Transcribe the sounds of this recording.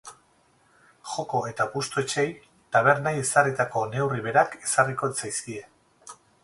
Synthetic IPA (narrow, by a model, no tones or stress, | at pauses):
xo̞ko̞e̞t̪apust̪oet͡ʃe̞j | t̪aβ̞e̞ɾnaje̞sarit̪ako̞ne̞wriβ̞e̞ɾake̞̥sariko̞et͡sajskie̞